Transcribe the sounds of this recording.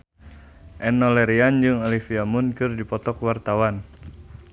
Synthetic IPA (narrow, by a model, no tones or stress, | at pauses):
ʔɛnɔlɛɾiand͡ʒɨŋɔlifiamunkɨrdipɔt̪ɔkwart̪awan